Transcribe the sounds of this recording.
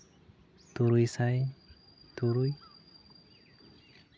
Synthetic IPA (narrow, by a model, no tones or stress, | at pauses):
t̪uɾujsaj | t̪uɾuj